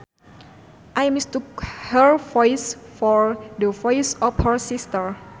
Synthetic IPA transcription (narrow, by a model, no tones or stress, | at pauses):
ʔajmist̪ukhəɹvɔjsfɔɹdəvɔjsɔfhəɹsist̪əɹ